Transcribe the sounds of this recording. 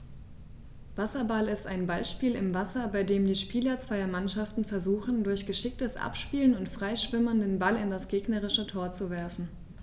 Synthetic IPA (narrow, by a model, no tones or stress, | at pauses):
vasɐbalɪstaɪnbalʃpiːlɪ̰mvasɐbaɪdeːmdiːʃpiːlɐt͡sv̥aɪɐmanʃaftn̩fɛɐzuːxn̩dʊɐçɡ̥əʃɪk̚təsʔa̰pʃpiːlənʊntfʁ̥aɪʃv̥ɪmɐndeːnbalɪndasɡ̥eːɡnəʁ̞ɪʃətʰoːɐt͡suvɛɐfn̩